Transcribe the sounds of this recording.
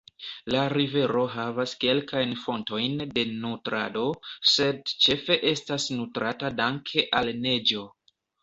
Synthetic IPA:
laɾive̞ɾo̞ɦavaske̞lkajnfo̞nto̞jnde̞nutɾa̰do̞se̞dt͡ʃe̞fe̞ʔe̞stasnutɾatadaŋkʰe̞ʔalne̞d͡ʒo̞

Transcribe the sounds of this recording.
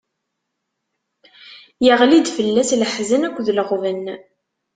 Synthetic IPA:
jəʁlid̪fəlːæsləħzənækʷːðələʁvənː

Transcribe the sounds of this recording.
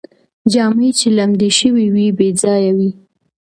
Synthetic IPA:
d͡ʒɑmit͡ʃelamd̪iʃəwiwibed͡zɑjawi

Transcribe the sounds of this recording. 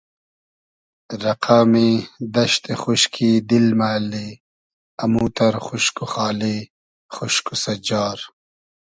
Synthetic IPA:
ɾɐqʰaːmid̪ɐʃt̪exuʃkʰid̪ilmaːle | ɐmuːt̪ɐɾxuʃkuxaːli | χʊʃkusɐd͡ʒaːɾ

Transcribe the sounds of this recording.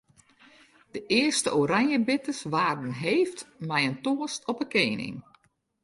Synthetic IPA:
d̥əʔɪərstəʔoɾanjəbɪtəsʋaːrdənɦeːftmɛjəntoəstɔpəkeːnɪ̰ŋ

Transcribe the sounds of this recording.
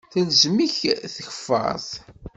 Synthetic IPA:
θælzmiçθəçə̥fːɑ̰ɾˤθ

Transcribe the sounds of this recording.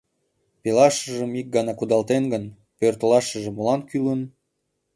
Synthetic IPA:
pelɑʃəʒəmik̚ɡɑnɑkud̪ɑlt̪enɡən | pørt̪əlɑʃəʒĕmːolɑnkylən

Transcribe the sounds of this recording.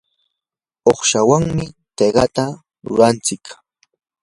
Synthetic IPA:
oχʃawaŋmɪt̪eɢɑt̪a | ɾʊ̰ɾant͡sɪk

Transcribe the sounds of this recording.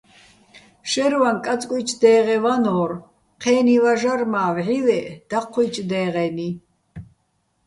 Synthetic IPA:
ʃɛɾvankʼat͡sʼkʼwut͡ʃʰd̪ɛːʁɛvanɔɾ | qʰɛːnivaʒarmaːvʕilɛʔd̪̥aqʰːijt͡ʃʰʼd̪ɛːʁɛni

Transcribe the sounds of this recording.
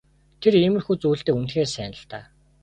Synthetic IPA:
t̪ʰeriːmɘ̆rxuːt͡suːɬt̪eːunt̪xeːrsæːnə̆ɬt̪aː

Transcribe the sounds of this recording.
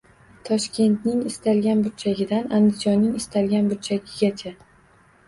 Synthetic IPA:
t̪ʰɒʃkʲʰe̞nt̪nɪŋɪst̪alɡʲanbʊɾ̚t͡ʃʰaɡʲɪd̪anand̪ɪd͡ʒɒnːɪŋɪst̪ʰalɡʲanbʊɾt͡ʃʰaɡʲɪɡʲat͡ʃʰa

